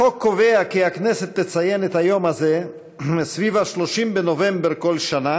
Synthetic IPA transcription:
okːoveakiaknɛset̪ːet͡sajenet̪hajo̞mhaze | esvivaʃloʃimbenovembeʁko̞lʃana

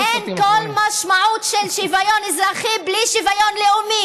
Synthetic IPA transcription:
ʔenkolmaʃmaʕut̪ʃelʃivajonizɾaχibliʃivajonleʔumi

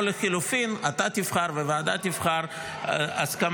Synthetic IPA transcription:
leχilufinat̪at̪ifχaʁvevaad̪at̪ifχaʁ | askam

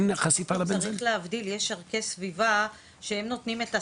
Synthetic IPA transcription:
nχasifalabeaʁiχleavdiljeʃaʁke̞sviva | ʃehemno̞t̪nime̞ta

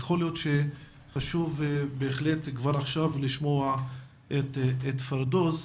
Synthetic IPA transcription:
jaχoljot̪ʃe | χaʃuvbeːχlet̪kvaɾaχʃavliʃmoa | et̪et̪faɾd̪os

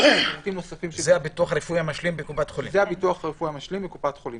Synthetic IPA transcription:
ut̪imnosafimʃzehabituaχaʁefujamaʃlimbekupat̪χolḭzeabituaχaʁefujamaʃlimbekupat̪χolim

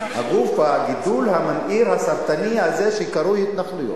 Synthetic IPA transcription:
ha̰ɡufaɡid̪ulhamanʔiɾhasaɾt̪anihazeʃeikaɾuhit̪naχlujo̰t

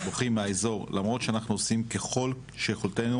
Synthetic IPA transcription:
boχimeaezo̞ʁlamʁo̞t̪ʃeanaχnuosimke̞χo̞l | ʃejeχoltenu

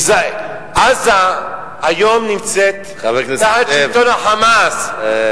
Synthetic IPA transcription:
zaj | ʔaza | ajomnimt͡set̪ | aveknahat͡ʃit̪onaħamas

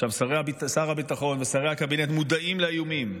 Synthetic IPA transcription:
ʃavsaʁehabisaʁabitaχo̞nvesaʁe̞jhakabinetmud̪aimleajumim

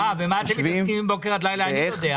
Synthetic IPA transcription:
avemaeiskimimbokeʁat̪lajlaajod̪ea

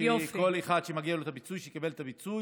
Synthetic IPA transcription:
jfko̞leχad̪ʃemaɡialot̪abit͡sujʃekibelt̪abit͡suj

